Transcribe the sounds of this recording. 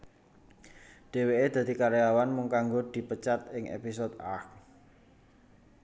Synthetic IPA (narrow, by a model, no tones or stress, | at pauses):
ɖ̥e̤weʔed̪̥ä̤d̪̥i̤kaɾejawanmʊŋkaŋɡod̪̥i̤pət͡ʃat̪̚ɪŋʔḛpis̬od̪a̰k